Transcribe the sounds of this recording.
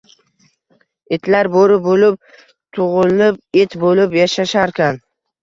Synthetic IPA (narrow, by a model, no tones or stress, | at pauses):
et̪ʰlaɾboɾɪbolɪp̚ | t̪ʰʊʁʊlnɪp̚et̪bolɪpjaʃaʃaɾkʲan